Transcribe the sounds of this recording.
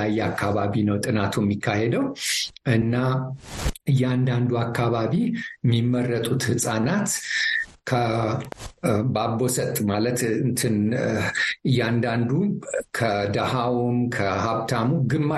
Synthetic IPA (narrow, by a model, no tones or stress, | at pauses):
ajːɛakʰːaβaβinəwt̪ʼɨnat̪ʰujɛmːikʰːahed̪əwʔɨnːa | ɨjːɛand̪and̪uakʰːaβaβimːimːərːət̪ʼut̪hɨsʼanat̪ | kʰə | babo̞sət̪ʼmalət̪ɨnt̪ʰɨn | ɨjːand̪and̪ukʰəd̪ahawumkʰəhaβt̪ʰamuɡɨmːa